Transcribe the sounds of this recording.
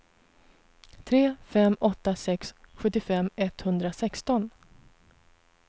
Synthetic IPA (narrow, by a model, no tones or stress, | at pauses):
t̪ʰɾeːfɛmːɔt̪ːasɛksɧɵt̪ːɪfɛmɛt̪hɵnd̪ɾasɛkst̪ɔn